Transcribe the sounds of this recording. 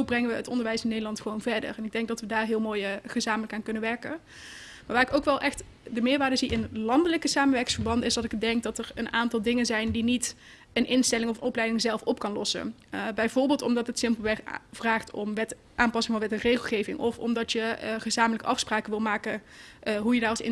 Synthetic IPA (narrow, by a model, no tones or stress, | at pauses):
obrɛŋəʋəətɔndəɹʋɛjsɪnːejdəlɑntχəʋownvɛɹdə̰ɹɛnɪɡ̚dɛŋɡ̚dɑtʋədaːɹɦɪːlˠmoːjχəzaːmələkaːnkɵnəʋɛɹkən | maːɹʋaːɪkowkʋɛlˠʔɛχt | dəmɪːɹʋaːdəziʔɪnlɑndələkəsaːmənʋɛɹkɪŋsfəɹbɑndəɪzdɑtɪɡdɛŋk̚dɑtəɹənaːntɑlˠdɪŋənzɛjndinit | ənʔɪnstɛlɪŋɔfənɔplɛjdɪŋzɛlˠfɔp̚kɑnlɔsə̰bɛjvoːɹbɪːlˠtɔmdɑtətsɪmpəlˠʋɛv̥raːχtɔ̰mʋɛt | ʔaːmpɑsɪŋvɑnʋɛtərejχəlˠχejvɪŋɔfɔ̰mdɑtjəχəzaːmələkəʔɑfspraːkəʋɪlˠmaːkəɦujədaːɹɑsɪ̰